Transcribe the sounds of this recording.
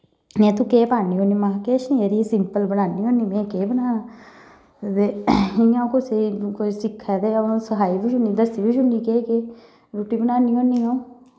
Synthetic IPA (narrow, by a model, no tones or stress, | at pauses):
mɛ̃ːt̪ukeːpaːniːɦoːniːmãːkeːʃniːeɾisɪmpəlbənaːniːɦonːiːmɛ̃ːkeːbənaːnaː | d̪eiãːũkoseikoisɪkʰːɛːd̪eːsəɦaːibɪt͡ʃʰɦʊndiːd̪əsiːbɪt͡ʃʊndiːkeːkeː | ɾoːʈiːbənaːniːoːniːãːũ